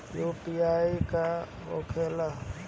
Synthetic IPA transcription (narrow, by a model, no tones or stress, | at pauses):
joːpijaːika | o̰kʰela